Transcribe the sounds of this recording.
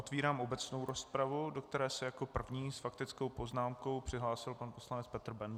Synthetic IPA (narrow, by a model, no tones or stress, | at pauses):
ʔot̪viːɾaːmʔo̞bɛt͡snowɾo̞spɾavudo̞kt̪ɛɾɛːsɪjako̞pr̩vɲiːsfakt̪ɪt͡sko̞wpo̞znaːmko̞wpr̝̥ɪɦlaːsɪlpanposlanɛt͡spɛt̪r̩bɛn